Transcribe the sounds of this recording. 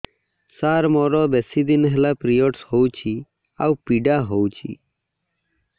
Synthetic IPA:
saːɾmɔːɾoːbesiːd̪inɦelaːpɾijoːʈshout͡ʃʰiː | a̰wpiːɖaːɦowt͡ʃʰḭː

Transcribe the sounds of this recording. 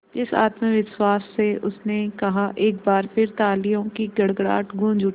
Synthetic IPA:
d͡ʒɪsa̰ːt̪məʋɪʃwaːsːeʔʊsnekɐɦaʔeːk̚baːɾpʰɪɾt̪aːlijõkiɡɐɽɡɽa̰ːʈɡũːnd͡ʒʊ

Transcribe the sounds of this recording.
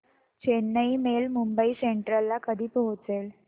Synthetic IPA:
t͡ɕenːəimelmumbəiseɳʈɾəlːakəd̪ʱiːpəɦut͡sel

